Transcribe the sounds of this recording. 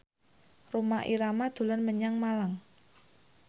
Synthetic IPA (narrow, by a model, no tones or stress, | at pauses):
romaʔiɾamad̪̥ṳlanməɲaŋmalaŋ